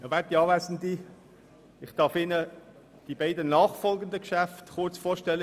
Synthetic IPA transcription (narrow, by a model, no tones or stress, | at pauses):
javɛtiɑːvæsn̩di | ɪχtɑːfɪnə | d̥ibaɪdənɑːχfɔlɡəndəkʃæftχʊɾt͡sfɔːɾʃtɛlːə